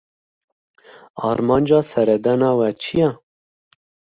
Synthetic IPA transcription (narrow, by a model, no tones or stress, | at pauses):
ɑ̰ːɾmɑːnd͡ʒɑːsɛɾɛd̪ɛnɑːwɛt͡ʃʰijɛ